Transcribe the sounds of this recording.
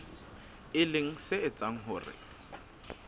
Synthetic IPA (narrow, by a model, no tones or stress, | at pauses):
ɪlɪŋ̩sɪɪt͡sʼaŋ̩ɦʊːrɪ̰